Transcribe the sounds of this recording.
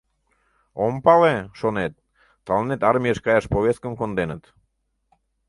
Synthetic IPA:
ompɑleʃonet̪̚ː | ɑlˠnet̪ɑɾmijeʃkɑjɑʃpoβʲeskəmkond̪enət̪

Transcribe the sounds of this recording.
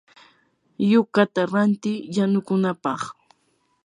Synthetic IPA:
jʊkat̪aɾant̪ɪjanʊkʊnapɑχ

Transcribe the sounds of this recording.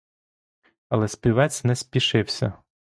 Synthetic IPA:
ɐlˠɛsʲpʲiʋɛt͡sʲnɛspʲiʃɪwsʲɐ̰

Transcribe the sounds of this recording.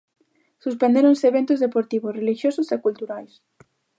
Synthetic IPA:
suspend̪eɾonseːβe̞nt̪ozðe̞poɾt̪iβosrelixjososekult̪uɾajs

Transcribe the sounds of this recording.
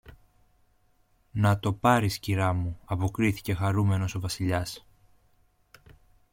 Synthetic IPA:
nɐt̪o̞pɐɾisciɾɐmuɐpo̞kɾiθi̥ce̞xɐɾume̞no̞so̞vɐsiʎɐs

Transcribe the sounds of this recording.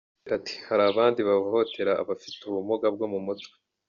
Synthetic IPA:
ʔati̥haɾaːβaːndiβaho̞tʰe̞ɾa̰ːβafituβumoɡab̚ɡo̞mumutwe̥

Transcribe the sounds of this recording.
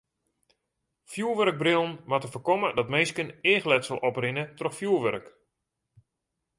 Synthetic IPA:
fjuːʋørəɡ̚brɪlˠənmatəfərkɔmədɔtmeːskəneːxlɛtsəlˠʔɔprɪnətrɔxfjuːʋørək

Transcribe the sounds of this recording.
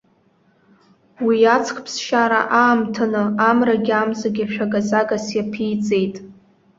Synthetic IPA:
wijat͡sʰχʰʼpʰsʃaɾa̰ʔaːmtʰanɨamraɡʲamzaɡʲaʃᶣaɡazaɡasjapʰijt͡sʼe̞jtʼ

